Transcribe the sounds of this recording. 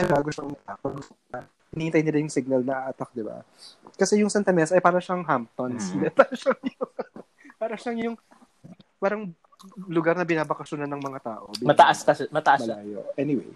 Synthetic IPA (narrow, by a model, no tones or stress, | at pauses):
ɐɡaɡoʃoŋmmɐt̪akoɡʊst̪oɐ | hɪniːhɪnt̪ajnɪlɐjʊŋsɪɡ̚nɐlnɐʔaʔɐt̪ɐk̚d̪ɪba̰ | kɐsɛjʊŋsɛnt̪ɐmɛsʔɐjpaːɾɐʃaŋɦamp̚t̪onslɛt̪ɐʃɐŋjʊŋ | paːɾɐʃaŋjʊŋ | paːɾɐŋ | lʊɡaɾnɐbɪnaːbɐkɐʃonɐnːɐŋmɐŋat̪a̰ːʔo̰biːmɐt̪ɐʔɐsk̪ɐmɐt̪ɐʔɐmɐlaːjo̰ʔɛnɪwḛj